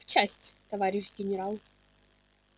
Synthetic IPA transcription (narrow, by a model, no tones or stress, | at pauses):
ft͡ɕæsʲtʲt̪ɐvaɾʲɪʂɡʲɪnʲɪɾalˠ